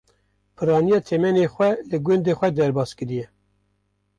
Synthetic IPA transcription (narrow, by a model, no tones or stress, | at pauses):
pʰɨɾɑːnijɑːt̪ʰɛmɛnexʷɛlɨɡʊnd̪eːxʷɛd̪ɛɾbɑːskɨɾijɛ